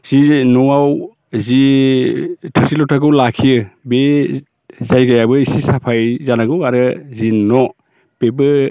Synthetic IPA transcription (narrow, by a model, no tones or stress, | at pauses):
z̥inɔaw | zi | tʰɯsilɔtʰaɡɯwlakʰiɯbe | zajɡajabɯisisapʰajzanaɡɯwaɾɯzinɔ | b̥ebɯ